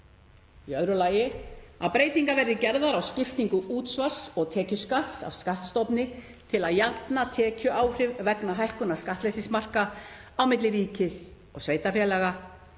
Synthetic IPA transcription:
iœðɾʏlaːjɪa̰ðpɾeːjt̪iŋkavɛɾðɪcɛɾðaɾawscɪft̪iŋkʏuːt̪svaɾ̥sɔɣt̪ʰɛːcʏskat̪sa̰vskaht̪st̪ɔwpnɪ | t̪ʰɪlaðjat̪nat̪ʰɛːcʏʔaːwr̥ɪvvɛknaɦajhkʏnaskaht̪lɛjsɪsmar̥kaawmɪt̪lɪɾiːcɪs | ɔɣsveːjt̪afjɛlɛːɣa

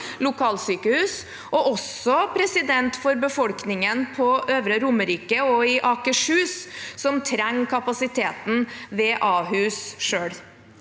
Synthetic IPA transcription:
lʊkʰɑːlsyːkəhʉːs | ɔʔɔsɔpʰɾɛsɪd̪ɛnt̪fɔɾbəfɔlknɪŋənpʰɔøːʋɾəɾʊməɾiːkəɔɪʔɑːkəʂhʉːssɔmt̪ʰɾɛŋːkʰɑpɑsɪt̪ʰeːt̪n̩ʋeːʔɑːɦʉːsʂøːɽ

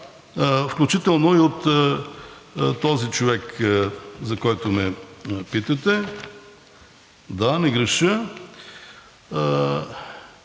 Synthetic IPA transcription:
fklʲut͡ʃit̪ɛlˠnoiot̪ | t̪ːɔzit͡ʃovɛk | zɐkɔjt̪omɛpit̪ət̪ɛ | d̪anɛɡɾɛʃə

